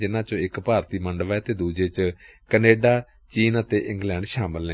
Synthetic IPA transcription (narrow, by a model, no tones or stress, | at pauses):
d͡ʒɪnãːt͡ʃõːɪkpaːɾt̪iːməɳɖəʋɛːt̪eːd̪uːd͡ʒeːt͡ʃkəneːɖaː | t͡ʃiːnət̪eːʔɪ̃ŋɡlɛ̃ːɳɖʃaːməlnẽ